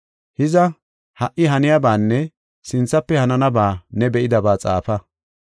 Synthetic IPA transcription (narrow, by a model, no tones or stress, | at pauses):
hɪzɐ | hɐʔːɪɦɐnɪjabaːnːɛ | sɪnt͡sːɐpːɛhɐnɐnɐbaːnɛbɛʔɪd̪ɐbaːt͡sʼa̰ːfɐ